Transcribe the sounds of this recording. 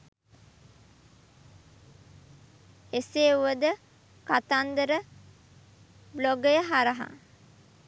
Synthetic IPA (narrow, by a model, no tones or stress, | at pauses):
eseːuʋəd̪ə | kat̪and̪əɾə | bloɡəjəɦaɾɐɦa̰